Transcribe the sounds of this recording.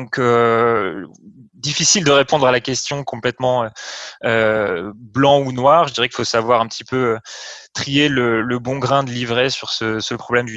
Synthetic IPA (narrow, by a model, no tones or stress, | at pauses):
ɔ̃kø | d̪ifisild̪əʁepɔ̃d̪ʁalakʲɛst̪jɔ̃kɔ̃plɛt̪mɑ̃øø | blɑ̃unwaːʁʒəd̪iʁɛkilfosavwaʁɛ̃pət̪ʰipøt̪χielələbɔ̃ɡʁɛ̃d̪əlivʁɛsyʁsəsəpχɔblɛmd̪y